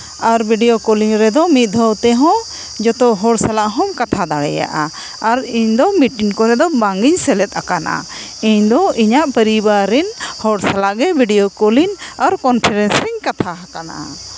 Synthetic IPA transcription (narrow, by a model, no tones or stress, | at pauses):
aɾbʱiɖijokoliŋɾɛd̪ɔmit̪̚ˀd̪ʱəwt̪ɛɦɔ̃ | d͡ʒɔt̪ɔɦɔɽsalaʔɦɔ̃mkat̪ʰad̪aɽɛ̰ja̰ʔa | aɾiɲd̪ɔmiʈiŋkɔɾɛd̪ɔbaŋɡiɲsɛlɛt̪̚ˀakana̰ | iɲd̪ɔiɲaʔpəɾibaɾːɛnhɔɽsɛlaʔɡɛbʱiɖijokolinaɾkɔnpʰɛɾɛnsɾiɲkat̪ʰaɦakana̰ʔa̰